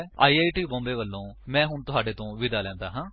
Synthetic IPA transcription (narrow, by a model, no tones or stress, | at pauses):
a̰ːiːaːiʈiːbɔ̃ːmb̪eːʋəlːõːmɛ̃ːɦʊɳt̪ʊɦaːɖeːt̪õːʋɪd̪aːlɛ̃ːnd̪aːɦãː